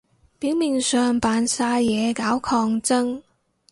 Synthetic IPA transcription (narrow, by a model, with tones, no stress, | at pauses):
piː˨˥wmi˨˩ŋsœː˨ŋpaː˨nsaː˧jɛː˨˧kaː˨˥wkʰɔː˧ŋt͡sɐ˥ŋ